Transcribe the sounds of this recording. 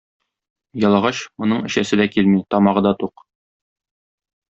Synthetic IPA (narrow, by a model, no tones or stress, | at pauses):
jɒlˠɑʁɑɕmŏnɤɴɘ̆ɕæsɘd̪ækilmit̪ɒmɑʁɤd̪ɒt̪uq